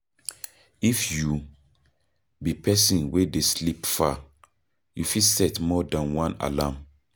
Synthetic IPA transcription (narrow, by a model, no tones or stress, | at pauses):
ifju | bipʰɛsĩnwedeslipfa | jufilsɛtmɔdãnwãna̰lam